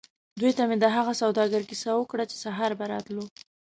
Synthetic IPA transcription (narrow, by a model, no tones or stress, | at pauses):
d̪ujt̪amed̪əɦaɣasawd̪ɑɡəɾkisawəkɽat͡ʃe̥saɦɑɾbaɾɑ̰t̪lu